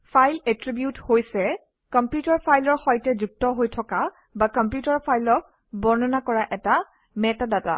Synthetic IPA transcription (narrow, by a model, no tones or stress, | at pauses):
pʰajletɹibjuthojsɛ | kɔmpjutaɹpʰajlɔɹxɔjtɛzuk̚tɔɦojtʰɔka | bakɔmpjutaɹpʰajlɔk̚ | bɔɹnɔnakɔɹaʔɛta | mɛtadata̰